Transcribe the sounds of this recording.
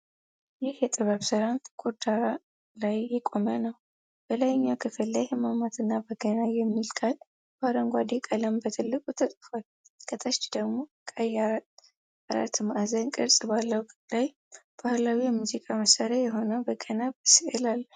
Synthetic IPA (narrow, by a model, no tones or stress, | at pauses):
jɪhjɛt̪ʼɨβəβsɨɾanɡ̥ʰud̪aɾa | lajːɛkʼo̞mənəw | b̥əlajɪɲːakʰɨfɨlːajɛmamat̪ɨnːabəɡənajɛmːilkʰal | baɾəŋɡʷad̪ekʼələmbət̪ʰɨlːɨkʼut̪ʰət̪ʼɨfal | kʰʼət̪ʼət͡ʃːd̪əɡmo̞kʼaja | aɾa̰t̪ːɨmaʔazənkʼɨɾsʼbalːəwkʼlaj | b̥ahlawijɛmuzikʼaməsaɾajɛɦo̞nəbəɡənaβsiʔəlalː